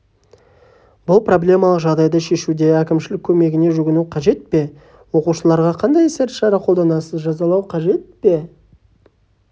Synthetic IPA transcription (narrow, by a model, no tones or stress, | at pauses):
bʊlˠpro̞blʲe̞mɑlˠəqʒɑʁd̪ɑjd̪ɑʃe̞ʃud̪e̞ækʲɪmʃɪlɪkʲʰːɵme̞ɡʲɪne̞ʒʏɡʲɪnuqʰɑʒe̞t̪̚pe̞ | wo̞quʃəlˠɑɾʁɑqʰɑnd̪ɑjese̞ɾt̪ʃɑɾɑqʰolˠd̪ɑnɑsəzʒɑzɑlˠɑwqʰɑʒe̞t̪̚pe̞